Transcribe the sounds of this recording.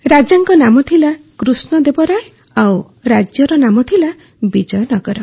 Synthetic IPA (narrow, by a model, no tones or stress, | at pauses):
ɾad͡ʒaŋkɔnamɔt̪ʰilakɾusnɔd̪ebɔɾaj | aw | ɾad͡ʒjɔɾɔnamɔt̪ʰila | bid͡ʒɔjɔnɔɡɔɾɔ